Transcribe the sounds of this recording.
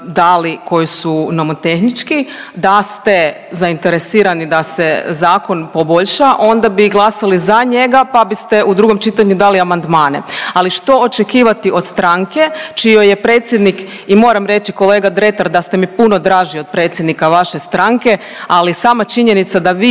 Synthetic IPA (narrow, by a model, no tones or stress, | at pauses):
d̪aliko̞jisunomot̪e̞xnit͡ʃkid̪ast̪e | zaint̪eɾesiːɾanid̪asezaːko̞npo̞bo̞ʎʃaʔo̞nd̪abiɡlˠasalizaɲe̞ɡapabist̪eʔud̪ɾuɡo̞mt͡ʃit̪aɲud̪aliamand̪maːnḛaliʃt̪o̞ot͡ʃekiːʋat̪iʔo̞d̪st̪ɾaŋke̞t͡ʃijo̞jepɾe̞ːt̪sjed̪nik | imo̞ːɾamɾe̞t͡ʃiko̞leːɡad̪ɾet̪aɾd̪ast̪emipunod̪ɾaːʒio̞d̪̚pɾe̞ːt̪sjed̪nikaʋaʃe̞st̪ɾaŋke̞ | alisaːmat͡ʃiɲe̞nit̪sad̪aʋiː